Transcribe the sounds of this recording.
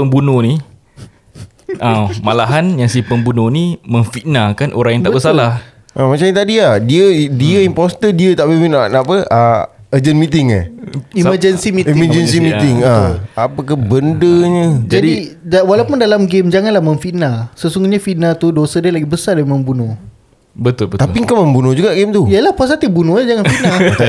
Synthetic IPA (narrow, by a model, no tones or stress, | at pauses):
pəmbunoni | ʔamalaɦanjaŋsipəmbunoniməŋfiʔnakanʔoɾãŋjaŋtb̪abəsalah | ʔamat͡ʃamɲat̪adiahdiədiəimpɔst̪ədiət̪aʔbəfiʔnanapəa | əd͡ʒənmit̪ɪŋa̰imməd͡ʒənsimitiməd͡ʒəns̬imit̪ɪŋaapəkəbəndəɲəd͡ʒadidawalawpundalamɡemd͡ʒaŋanlahmə̃nfiʔnalsəsuŋɡuɲafiʔnat̪udosədiəlaɡibəsardaiməmbunʊh | bət̪ʊlbət̪apiŋkaməmbunʊhd͡ʒuɡaʔɡɪmt̪ujəlahpas̬at̪ibunʊhad͡ʒaŋanfina